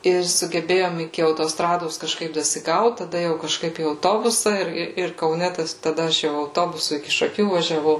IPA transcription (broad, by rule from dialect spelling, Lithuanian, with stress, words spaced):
ɪr sʊɡʲɛˈbʲeːjoːm ɪkʲɪ ɐʊtoːˈstrɑːdoːs kɐʃˈkɐɪp dɐsʲɪˈɡɐʊt tɐˈdɐ jɛʊ kɐʃˈkɐɪp iː ɐʊˈtoːbʊsɐ ˈɪr ˈɪr ɪr kɐʊˈnʲɛ ˈtɐs tɐˈdɐ ˈɐʃ jɛʊ ɐʊˈtoːbʊsʊ ɪkʲɪ ʃɐˈkʲuː ʋɐʒʲɛˈʋɐʊ